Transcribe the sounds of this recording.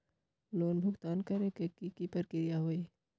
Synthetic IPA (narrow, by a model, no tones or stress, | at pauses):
loːnbʱʊkt̪aːnkɐɾekekikipəɾkɪɾɪjaɦoːiː